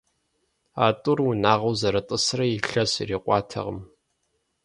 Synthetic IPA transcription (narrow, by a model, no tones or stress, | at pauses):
aːtʼʊrunaːʁɐwzɐɾɐtʼɨsrɐjiɬɐsiriːqʷɑːtʰɐ̰ʁə̰m